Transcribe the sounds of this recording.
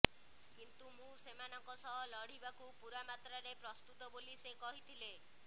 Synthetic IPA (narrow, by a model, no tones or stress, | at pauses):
kint̪umũsemanɔŋkɔsɔɦɔlɔɽ̤ibakupuɾamat̪ɾaɾepɾɔst̪ut̪ɔbolisekɔɦit̪ʰile